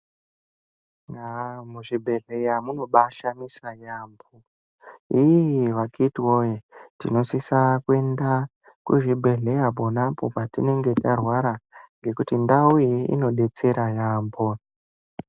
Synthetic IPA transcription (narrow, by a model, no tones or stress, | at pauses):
namuʐibʱe̞ɮe̞jamuno̞ɓaʃanisajaːmbo | iiʋakʰitwojetino̞sisakwe̞nda | kuʐibʱe̞ɮe̞japonapo̞patine̞ŋɡe̞tarwaɾaŋɡe̞kutindaujiḭno̞ɗe̞t͡se̞ɾajaːmbo